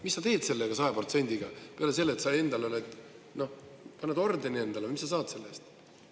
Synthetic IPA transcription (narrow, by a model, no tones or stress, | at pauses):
misːɑt̪e̞ːd̪̥se̞lːeɡ̥ɑsɑepro̞t̪se̞nʲd̪̥iɡ̥ɑpeɑales̬e̞lːet̪sɑje̞nd̪̥ɑleolet̪ːˑ | no̞ | pɑnːed̪o̞rd̪enie̞nd̪ɑlemisːɑs̬ɑːd̪se̞lːe̞st̪